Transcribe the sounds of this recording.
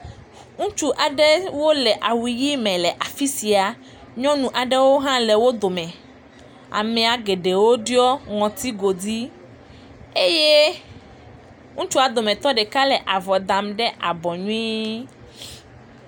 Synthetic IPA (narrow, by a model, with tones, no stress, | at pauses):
ŋũ˦t͡ʃu˦ʔa˨ɖɛ˦wo˦lɛ˨ʔa˨wi˨ji˦mɛ̃˨lɛ˨ʔa˨fi˦si˨a˨ | ɲɔ̃˦nũ˨ʔa˨ɖɛ˦wo˦ɦã˦le˨wo˦d̪o˨mɛ̃˨ | a̰˨mɛ̃˨a˨ɡe˨ɖe˨wo˦ɖi˦ɔ˦ŋɔ̃˨t̪i˦ɡo˨d̪i˦ | e˦je˦ | ŋũ˦t͡ʃu˦a˨d̪o˨mɛ̃˨t̪ɔ˦ɖɛ˨ka˦lɛ˨ʔa˨vɔ˨d̪a˨mɖɛ˦ʔa˨bɔ˨ɲũ˦ĩ˦